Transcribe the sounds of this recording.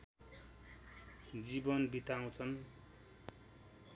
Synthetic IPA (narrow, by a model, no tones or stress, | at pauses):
d͡zibʌnbit̪aw̃t͡sʰʌn